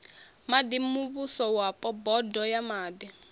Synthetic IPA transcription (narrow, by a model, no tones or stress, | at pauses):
mad̪imuβusɔwapʼɔbɔdɔjamaːd̪i